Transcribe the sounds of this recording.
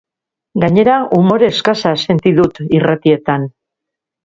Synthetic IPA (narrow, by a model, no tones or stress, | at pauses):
ɡaɲe̞ɾaʔumo̞ɾe̞skasase̞nt̪iðut̪irat̪ie̞t̪an